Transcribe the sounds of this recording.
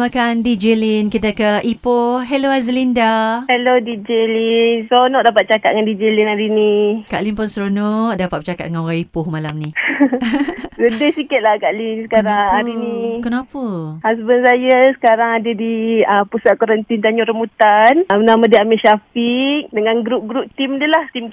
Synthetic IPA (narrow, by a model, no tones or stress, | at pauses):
makandid͡ʒelinkit̪akəʔipʊɦeloazəlindahelodid͡ʒelinsɾonɔʔ̚dapat̪̚t͡ʃakat̪̚ŋandid͡ʒelinaɾinika̰ʔlinpʊnsɾonɔʔdapat̪̚bət͡ʃakat̪̚ŋanoɣaŋipʊhmalamni | sədəhsikit̪̚lahkaʔlinsəkaɾaŋaɾiniikənapəhas̬bənsajəsə̥kaɾaŋadədiəpusat̪̚kɔɾənt̪int̪aɲuɾəmut̪anmənamadiamiʔʃafik̚dəŋanɡɾup̚ɡɾup̚t̪imdəlaht̪im